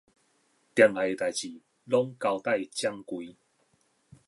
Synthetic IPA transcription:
t̪ja˧˩ŋa˨˩e˧t̪a˨jt͡ɕi˨˩ | lɔ˦˥ŋka˧wt̪a˥˧˨jt͡ɕja˦˧ŋkwi˨˧˦

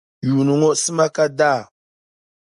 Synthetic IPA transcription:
ju˨nu˨ŋo˦sə˦ma˦ka˦da˦˨

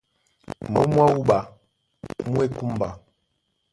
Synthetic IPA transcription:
mo̰˦mwa˦u˦ɓa˨ | mu˦e˦ku˦m˨ba˨

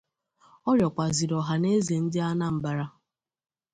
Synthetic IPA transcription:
ɔ˦ɾjɔ˨kʷa˨zi˨ɾɔ˨ɦa˨ne˦ze˨n̩˦dɪ˦a˦na˦m̩˨ba˨ɾa˦

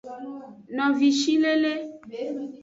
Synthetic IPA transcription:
nɔ̃˨vi˨ʃi˦le˦le˦

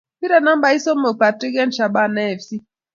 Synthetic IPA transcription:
pi˦ɾa˨na˦mba˨˦i˦so˦mo˨pa˨ti˦ɡɛ˦n˦ʃa˨ba˦˨nɛ˦ɛ˨fsi˦

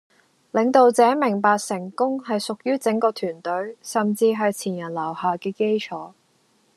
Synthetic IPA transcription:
lɪ˨˧ŋt̪o˨˧wt͡sɛː˨˥mɪ˨˩ŋpaː˧k̚sɪ˨˩ŋkʊ˥ŋhɐ˨jsʊ˨k̚jyː˥t͡sɪ˨˥ŋkɔː˧t̪ʰyː˨˩nt̪ɵ˨˥ɥsɐ˨mt͡siː˧ɦɐ˨jt͡sʰiː˨˩njɐ˨˩nlɐ˨˩whaː˨kɛː˧ke˥jt͡sʰɔː˨˥

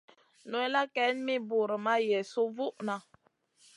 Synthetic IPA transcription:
nu˨˦ɛ˦la˦kɛ˨˦nmi˦bu˨ɾə˨ma˦jɛ˨su˦vu˦ʔna˨

